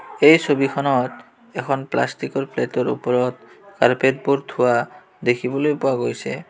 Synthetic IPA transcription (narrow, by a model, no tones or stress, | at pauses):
ejsʰobikʰɔnɔt | ɛkʰɔnpla̰sʈikɔɾpleʈoɾṵpɔɾɔt̪ | kaɾpet̪̚boɾd̪ʰʱua | d̪ekʰibolojpoaɡojsʰḛ